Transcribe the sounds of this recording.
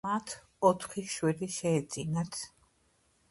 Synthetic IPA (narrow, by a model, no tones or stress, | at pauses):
mat̪ʰ | ɔt̪ʰχiʃwɛɾiʃɛːd̪zʼinat̪ʰ